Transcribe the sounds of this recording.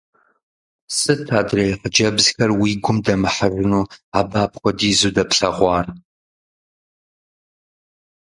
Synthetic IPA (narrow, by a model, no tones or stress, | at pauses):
sɨtʰaːdrejqəd͡ʒɐbzxɐrwiːɡʷʊmdɐmɨħərɨnuːaːbaːpχʷɔdiːzuːdɐpɬɐʁʷɑːr